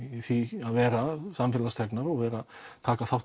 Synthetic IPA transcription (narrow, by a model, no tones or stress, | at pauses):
θviaðvɛːɾasamfɪːlast̪ʰɛknaɾɔɣvɛːɾat̪ʰaːkaθawt